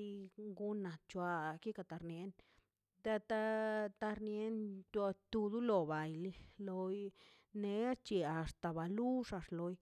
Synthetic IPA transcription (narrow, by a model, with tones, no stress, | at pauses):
i˧˦ɡu˦na˨t̪̚t͡ʃwa˧ki˦ka˧t̪a˨˧ɾnje˧n | d̪e˧t̪a˦t̪a˧ɾnje˧˦nt̪a˧t̪u˧d̪u˦lo˨ba˨jli˧lo˧j | ne˧˦t͡ʃi˧a˨st̪a˨ba˨lu˦ʂa˧ʂlo˧j